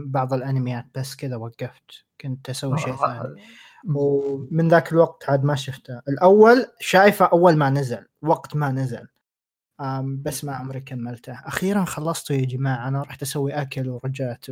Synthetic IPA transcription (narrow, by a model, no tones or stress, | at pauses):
bɑʕðˤɪlʔanamɪjaːt̪̚b̥asːkɪðawaɡːaft̪ | kʊnt̪asawːiʃeːθaːni | wmɪnðaːkɪlwaɡ̚t̪ʕaːd̪maʃʊft̪aʔɪlʔawːalʃaːjfaʔawːalmanazalwaɡt̪manazalː | basːmaʕʊmɾikamːalt̪ahʔaxiːɾanxɑlːɑsˤt̪ujad͡ʒɪmaːʕanaɾˤɑːħt̪ʔasawːiʔakalwɾˤɑd͡ʒaːt̪